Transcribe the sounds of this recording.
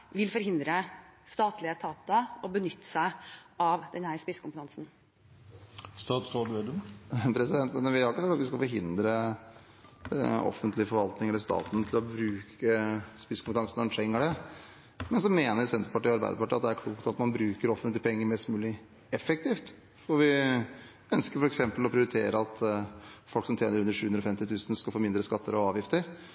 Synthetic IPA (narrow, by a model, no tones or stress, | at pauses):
ʋɪlfɔɾhɪnd̪ɾəst̪ɑːt̪lɪət̪ʰɑːt̪ɑɔbənʏt̪ːə̥sæɪɑʋd̪ɛnhæɾspɪskʊmpət̪ʰɑŋsn̩ | st̪ɑːt̪sod̪ɛd̪əpʰɾɛsɪd̪ɛnt̪mɛnʋɪhɑɾɪkːəsɑk̚t̪ɑt̪ʋɪskɑlfɔɾɦɪnd̪ɾə | ɔ̰fənt̪lɪəfɔɾʋɑlt̪nɪŋɛlːəʂt̪ɑ̰ːt̪nt̪ʰɪlɔbɾʉːkəspɪskʰʊmpət̪ʰɑŋsnɔɾʂɛŋːəɖɛ | mɛnsɔmːeːnəɾsɛnt̪ɾəpɑʈiːɑɾbæ̰ɪd̪əpʰɑʈiːɑt̪d̪ɛæɾkʰluːkt̪ɑt̪mɑnbɾʉːkəɾɔfənt̪lɪəpʰɛŋːəɾmɛst̪mʉːlɪ | ɛfɛkt̪ʰiːft̪ | fɔɾʋɪ | œnskəɾfɔɾɛksɛmpəlɔpʰɾɪʊɾɪt̪ʰeːɾəɑt̪fɔlksɔmt̪ʰɾeːnəɾʉnd̪ɾəʂʉːʉnd̪ɾɔfɛmt̪ɪt̪ʰʉːsənskɑlfoːmɪnd̪ɾəskɑt̪ʰːəɾɔɑːʋjɪft̪əɾ